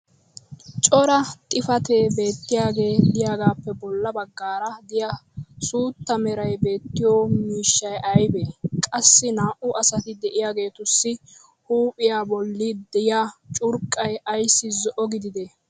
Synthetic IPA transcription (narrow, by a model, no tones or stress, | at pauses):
t͡ʃʼɔɾɐt̪ʼɪfɐt̪eːbe̞ːt̪ːɪjaːɡe̞ːlɪjaːɡaːpːɛbɔlːɐbɐɡːaːɾɐd̪ɪjɐsuːt̪ːɐmɛɾɐjbe̞ːt̪ːɪjoːmiːʃːɐjɐjbekʼɐsːɪnaːʔʊʔɐsɐt̪ɪd̪ɛʔɪjaːɡe̞ːt̪ʊsːɪ | huːpʼɪjaːbɔlːɪd̪ɛjat͡ʃʼʊɾkʼːɐjɐjsːɪzɔʔɔɡɪd̪ɪd̪e